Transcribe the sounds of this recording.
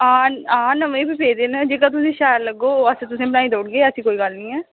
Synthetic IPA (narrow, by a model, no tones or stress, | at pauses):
ãːãːnəmẽbipeːd̪eːnəd͡ʒeːkãt̪̬ʊsĩːʃaːɾləɡoːəsẽt̪ʊsẽːbnaːĩd̪oːɽɡeːəsĩːkoːiːɡəlnĩːɛː